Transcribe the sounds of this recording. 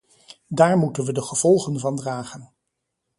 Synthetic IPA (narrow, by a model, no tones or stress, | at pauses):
daːɹmutənʋədəχəv̥ɔlˠχənvɑndraːχən